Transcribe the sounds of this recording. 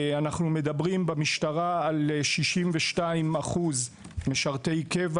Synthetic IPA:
anaχnumed̪abʁimbemiʃt̪aʁaːlʃiʃimveʃtaimaχuz | meʃaʁt̪e̞jkev

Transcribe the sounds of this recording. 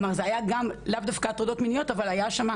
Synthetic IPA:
maʁzeajaɡamlavd̪afkat̪ʁod̪ot̪minijo̞t̪avalajaʃama

